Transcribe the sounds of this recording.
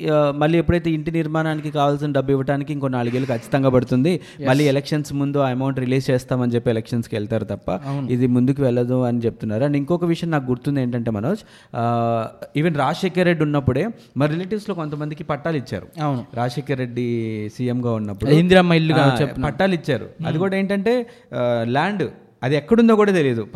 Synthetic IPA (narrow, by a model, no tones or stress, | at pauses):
mɐlːiːepːuɽɐjt̪̬eːiɳʈiniɾmaːnaːnikikaːʋaːls̬inɐɖɐbiʋːɐʈaːnikiiŋkonːaːɭuɡeːlukʰɐt͡ʃːi̥t̪ɐŋɡaːpɐɽut̪und̪i | mɐlːiːɛlekʂɐnsmund̪uɐmɐwuɳʈɾiliːst͡ʃeːst̪aːmɐnid͡ʒepːiɛlɛkʂɐnskʋɛɭt̪aːɾut̪ɐpːɐ̰nid̪imund̪uk̬uʋɛɭːɐd̪uɐnit͡ʃep̚t̪unːaːɾuɐɳɖeiŋkɔːkɐʋiʂjɐnnaːkuɡuɾt̪und̪e̞ːɳʈɐɳʈe̞ːmɐnoːs | iːʋenɾaːʂeːkɐɾːe̞ɖːunːɐpːuɽe̞ː | mɐɾileːʈiʋslo̞ːko̞nt̪ɐmɐnd̪ikipɐʈːaːlit͡ʃːa̰ːɾṵwnuɾaːʂeːkɐɾːe̞ɖːisiːjemɡaːunːɐpːuind̪iɾamɐilːuɡaepɐʈːaːlit͡ʃːaːɾṵɐd̪ikuːɽaːeːɳʈɐɳʈe̞ː | laːɳɖ | ɐd̪iɛkːɐɽund̪oːkuːɽaːt̪elid̪u